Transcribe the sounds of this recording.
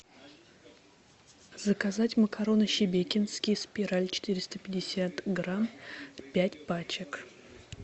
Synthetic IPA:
zəkazatʲməkʰɐɾo̞nəɕɪbʲekʲɪnskʲɪjspʲɪɾalʲt͡ɕɪ̥t̪ɨɾʲɪst̪əpʲɪdʲɪsʲat̪ɡɾampʲætʲpat͡ɕɪk

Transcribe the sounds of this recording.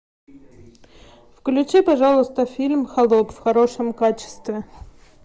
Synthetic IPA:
fklʲʊt͡ɕipɐʐalˠʊst̪əfʲilʲmxɐlˠopfxɐɾoʂəmkat͡ɕɪ̥st̪vʲɪ

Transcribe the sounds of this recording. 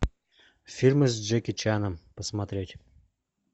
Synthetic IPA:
fʲilʲmɨzʲd͡ʒekʲɪt͡ɕanəmpəsmɐt̪ɾʲetʲ

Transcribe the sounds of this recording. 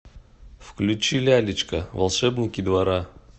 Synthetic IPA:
fklʲʉt͡ɕilʲɪalʲɪt͡ɕkəvɐ̰lˠʂɛbnʲɪkʲɪd̪vɐɾa

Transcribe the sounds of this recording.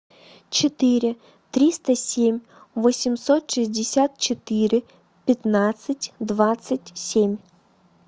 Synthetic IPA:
t͡ʃet̪ɪɾʲɪ | t̪ɾʲist̪ɐsʲemʲ | ʋɔsʲimsɔt̪ʃizʲdʲɪsʲat̪̚t͡ʃet̪ɪɾɪ | pʲɐt̪nat̪sɐtʲd̪ʋat̪sɐtʲsʲemʲ

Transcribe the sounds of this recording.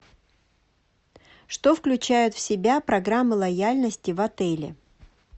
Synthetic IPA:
ʂt̪ofklʲʉt͡ɕæjʊt̪fsʲɪbʲapɾɐɡɾamːɨlˠɐjalʲnəsʲtʲɪvɐt̪ɛlʲɪ̰

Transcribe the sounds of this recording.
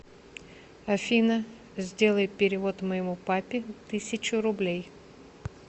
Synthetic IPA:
ɐfʲinə | zʲdʲe̞lˠəjɪpʲɪɾʲɪvo̞t̪məjɪmupapʲɪt̪ɨsʲɪt͡ɕʊɾʊblʲej

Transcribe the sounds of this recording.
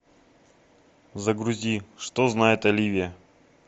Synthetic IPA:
zɐɡɾʊzʲiʂt̪oznajɪt̪ɐlʲivʲɪjə

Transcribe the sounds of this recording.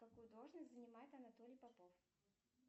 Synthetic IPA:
kɐkujʊd̪olˠʐnəsʲtʲzənʲɪmajɪt̪ɐnɐt̪olʲɪjpɐpof

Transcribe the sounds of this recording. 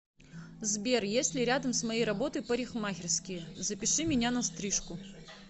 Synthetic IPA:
zbʲerjesʲtʲlʲɪɾʲad̪ɐmsmɐjejɾɐbot̪ɨjpɐɾʲixmaɣʲɪrskʲɪjəzɐpʲɪʂɨmʲɪnʲanɐst̪ɾɨʂkʊ

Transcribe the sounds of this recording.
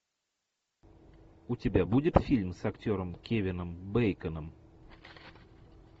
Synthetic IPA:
ʊtʲɪbʲabudʲɪt̪fʲilʲmsɐktʲoɾəmkʲevʲɪnəmbejkənəm

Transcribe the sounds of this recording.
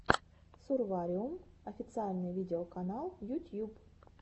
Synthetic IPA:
sʊrvaɾʲɪʊmɐfʲɪt̪sɨalʲnɨjvʲidʲɪokɐnalˠjʊtʲjup

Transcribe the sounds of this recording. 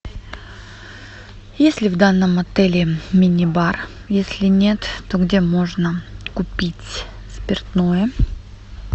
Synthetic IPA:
jesʲlʲɪvd̪anːəmɐt̪ɛlʲɪmʲɪnʲɪbar | jesʲlʲɪnʲe̞t̪ːoɡdʲemo̞ʐnəkʊpʲitʲ | spʲɪrt̪no̞jə

